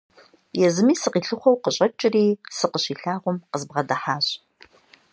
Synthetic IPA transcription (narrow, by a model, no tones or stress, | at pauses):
jɛzɨmiːsɨqiːɬɨχʷɔwqəɕʼɐt͡ʃʼɪriːsɨqəɕiːɬaːʁʷʊmqəzbʁɐdɐħaːɕʼ